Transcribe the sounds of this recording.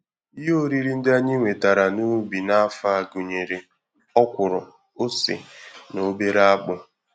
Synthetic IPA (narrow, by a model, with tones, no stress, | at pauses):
i˦ɦo˦ɾi˦ɾi˦n̩˦da˦ɲi˦ŋʷe˨ta˨ɾa˨nu˦bi˨na˦fa˦˨ɡu˨ɲe˨ɾe˨ | ɔ˦kʷʊ˨ɾʊ˨ | o˦sɪ̰˨no˨be˦ɾa˦k͡pʊ˨